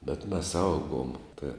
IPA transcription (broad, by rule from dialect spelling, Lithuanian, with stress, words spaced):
bʲɛt mʲɛs ˈɐʊɡoːm tɐ